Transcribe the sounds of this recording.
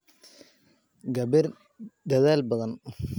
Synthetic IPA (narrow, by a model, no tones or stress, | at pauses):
ɡɐβɪr | d̪ɐðaːlbɐðɐn